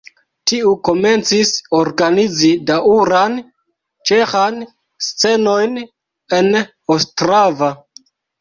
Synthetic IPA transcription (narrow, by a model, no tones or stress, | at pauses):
tiuko̞me̞nt͡sisoɾɡanid͡zidauɾan | t͡ʃe̞xan | st͡se̞no̞jn | e̞n | ostɾava